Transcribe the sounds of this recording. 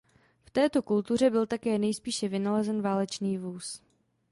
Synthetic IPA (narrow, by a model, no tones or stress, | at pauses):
ft̪ɛːt̪o̞kult̪ur̝ɛbɪlt̪akɛːnɛjspiːʃɛvɪnalɛzɛnvaːlɛt͡ʃniːvuːs